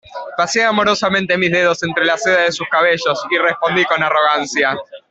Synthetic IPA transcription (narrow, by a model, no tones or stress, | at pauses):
pasjeamo̞ɾo̞sament̪e̞mizðe̞ð̞o̞se̞nt̪ɾe̞laseðaðe̞suskaβeʃo̞sirespo̞nd̪iko̞naro̞ɣansja